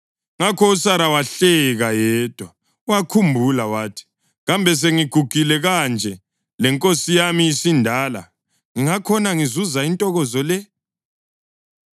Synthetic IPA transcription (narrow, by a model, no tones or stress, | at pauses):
ŋakʰɔusaɾawaɬɛɣajɛːd̥ʱwa | uwakʰumbʱulawaːtʰi̥ | ɣambʱɛs̬eŋiɡ̥ʱuɡ̥ʱilɛɣand͡ʒʱɛ | lɛŋkʼosijamijisindʱaːla̰ | ŋiŋakʰɔnaŋizuzaintʼɔɣɔzɔlɛ